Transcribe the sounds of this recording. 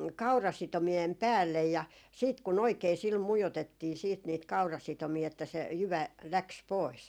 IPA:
kɑurɑsitomiem pæːlːej jɑ siːt kun oikeː sil mujotetːiː siːt niːt kɑurɑsitomiː etːæ se jyʋæ læks pois

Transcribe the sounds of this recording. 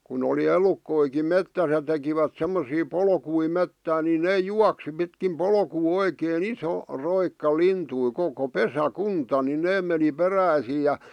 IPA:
kun oli elukːoikim metːæs jɑ tekiʋæt semːosiː polkui metːæːn ni ne juɑksi pitkim polkuː oikeːn iso roikːɑ lintui koko pesækuntɑ ni neː meni peræisiː jɑ

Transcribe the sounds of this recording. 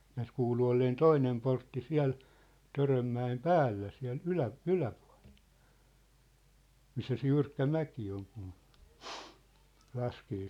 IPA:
næːs kuːlu olːeːn toinem portːi siæ̝l tørømːæem pæːlːæ siæ̝l ylæ ylæpu̥ɑ̝l̥e̥l̥ misːæ se jyrkːæ mæki oŋ kun lɑskeː

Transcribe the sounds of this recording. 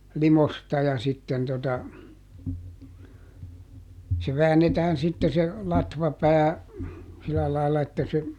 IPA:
limostɑ jɑ sitːen totɑ se ʋæːnːetæːn sitːe se lɑtʋɑpæː silæ lɑilːɑ etːæ se

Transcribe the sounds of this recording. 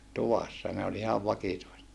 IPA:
tuʋɑsːɑ ne olʲ olʲ ihɑʋ ʋɑkituiset

